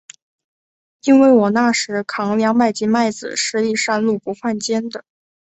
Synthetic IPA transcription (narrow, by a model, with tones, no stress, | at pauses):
i˥nwe˥˩ɪwɔ˨˩na˥˩ʂɻ̩˧˥kʰɑ˧˥ŋljɑ˧˥ŋma˥˩ɪt͡ɕi˧˥ma˥˩ɪd͡zɹ̩̰˨˩ʂɻ̩˥˧i˥˧ʂa˥˧nlu˥˩pu˧˥xwa˥˩nt͡ɕjɛ˥nd̪ə˨˩